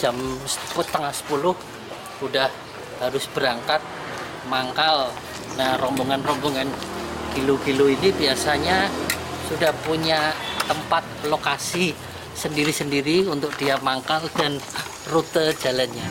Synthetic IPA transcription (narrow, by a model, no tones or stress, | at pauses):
d͡ʒamsə̥pt̪əŋahsə̥pulʊh | udah | haɾʊsb̥əɾaŋkat̪̚ | maŋkal | narɔmboŋanrɔmboŋankilukiluinibiasaɲasudahpuɲaːəmpat̪̚lokasi | səndiɾisəndiɾiunt̪ʊk̚d̥iamaŋkaldan | rut̪əd͡ʒ̥alanɲa